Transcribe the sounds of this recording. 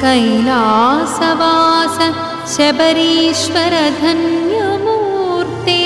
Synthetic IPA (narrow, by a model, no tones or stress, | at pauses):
kɐjlaːsɐʋaːsɐ | ʃebɐɾiːʃʋɐɾɐd̪ʱɐnjɐmuːɾt̪eː